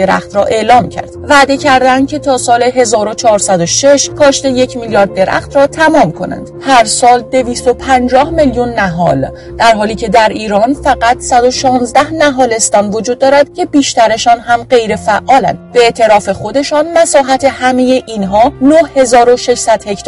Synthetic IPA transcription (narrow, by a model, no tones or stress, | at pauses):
eɾæ̰xt̪ɾɒːʔe̞ʔlɒːmcʰæ̰ɾd̪væːd̪e̞cʰæɾd̪ænd̪̚cʲʰe̞t̪ʰɒːsɒːleɦe̞zɒːɾo̞t͡ʃʰɒːɾsæd̪oʃe̞ʃkʰɒːʃt̪e̞je̞cʰmiljɒːɾd̪̚ːe̞ɾæ̰χt̪ɾɒːt̪ʰæmɒːmkʰo̞næ̰nd̪̥hæɾsɒːld̪e̞viːst̪o̞pʰænd͡ʒɒːhmeljunːæɦɒːl | d̪̥æɾɦɒːliːcʰe̞d̪æɾiːɾɒːnfæɣæt̪sæd̪o̞ʃɒːnzd̪æhnæɦɒːle̞st̪ɒːnvo̞d͡ʒuːd̪̚ːɒːɾæd̪̥cʰe̞biːʃt̪æɾe̞ʃɒːnɦæmɢe̞jɾe̞fæʔːɒːlæ̰nd̪̥b̥eeːt̪ʰe̞ɾɒːfe̞xo̞d̪e̞ʃɒːnmæsɒːɦæt̪ʰe̞hæme̞je̞ʔiːnɦɒːnohhe̞zɒːɾoʃe̞ʃsæd̪̥he̞cʰt̪ʰ